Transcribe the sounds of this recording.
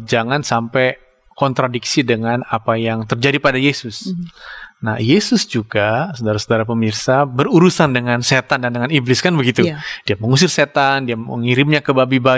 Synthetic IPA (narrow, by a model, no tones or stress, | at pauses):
d͡ʒaŋansampɛ | kɔnt̪ɾadiksidəŋanapajaŋt̪ərd͡ʒadipadajesʊs | na̰hjesʊsd͡ʒuɡasodaɾasudaɾap̬əmirsabəɾuɾusandəŋanset̪andandəŋaniblɪskanbəɡit̪ud̥iaməŋus̬ɪrset̪andiaə̰ŋiɾɪmɲakəbabiba